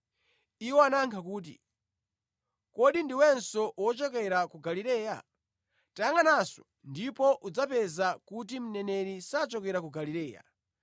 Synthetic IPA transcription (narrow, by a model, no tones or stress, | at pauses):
iwɔanaŋkʰakuːt̬ḭ | kɔɗindiwɛnsɔwɔt͡ʃɔk̬ɛɾakuɡaliɾɛːja̰ | taŋɡanasɔ̥ | ndipɔʔud͡zapɛzakut̬im̩nɛnɛɾisat͡ʃɔkɛɾakuɡaliɾɛːja̰